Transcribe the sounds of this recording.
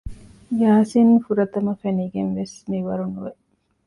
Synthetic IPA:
jaːsinfuɾɐt̪ɐmɐfeniːɡenʋesniʋɐɾunuʋe

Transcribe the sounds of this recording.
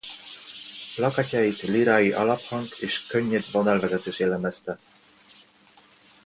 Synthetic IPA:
plɑkacɑjit̪liɾajiʔɑlɑphɑŋkeːʃkøɲːed̪vonɛlvɛzɛt̪eːʃjɛlɛmɛst̪ɛ

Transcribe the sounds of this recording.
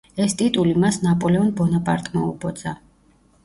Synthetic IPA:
ɛst̪ʼit̪ʼulimasnapʼɔlɛɔnbɔnapʼa̰ɾt̪ʼmaubɔd̪za

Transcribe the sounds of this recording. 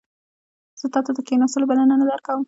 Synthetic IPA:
z̥ət̪ɑt̪ad̪əkenɑsɪlbalananad̪aɾkawəm

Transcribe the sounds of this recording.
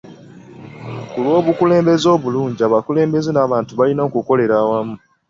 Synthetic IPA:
kulwo̞ːβukule̞ːmbe̞zo̞ːβuluːɲɟiaβakule̞ːmbe̞zenaːβaːntuβalino̞ːkuko̞le̞ɾaːwamu

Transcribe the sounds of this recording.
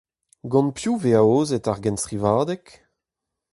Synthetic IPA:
ɡɑ̃npjuveaoːzɛtaʁɡɛnstχivaːd̪ɛk

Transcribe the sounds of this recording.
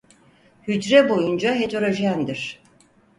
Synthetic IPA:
hyd͡ʒɾɛbo̞jund͡ʒaɦet̪ʰoɾaʒiænd̪iɾ̥

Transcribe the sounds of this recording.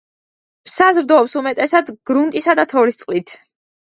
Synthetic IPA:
sazɾd̪ɔːpsumɛt̪ʼɛsad̪ɡ̥ɾunt̪ʼisad̪at̪ʰɔvlist̪sʼlit̪ʰ

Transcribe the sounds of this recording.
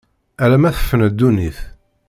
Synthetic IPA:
ælæmæθə̥fːənəd̪ːuniθ

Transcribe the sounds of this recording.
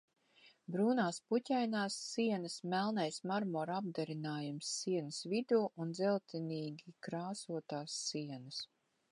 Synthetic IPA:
bɾuːnaːsputʲajnaːsːiɛnɐsmɛlˠnajsmaɾmɔɾab̚d̪ɛɾinaːjumsːiɛnəsvid̪uːʔund̪zɛlˠt̪iniːɡʲikɾaːsuɔt̪aːsːiɛnɐs

